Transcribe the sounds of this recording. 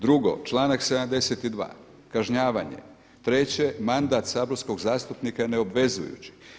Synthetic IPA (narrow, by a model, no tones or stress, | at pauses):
d̪ɾuɡo̞̰t͡ʃlˠaːnakse̞d̪amd̪e̞set̪id̪ʋa̰ː | kaʒɲaːʋaɲḛ | t̪ɾet͡ɕe̞mand̪at̪saːboɾsko̞ɡzaːst̪upnikaeneo̞bʋe̞zṵjṵt͡ɕi̥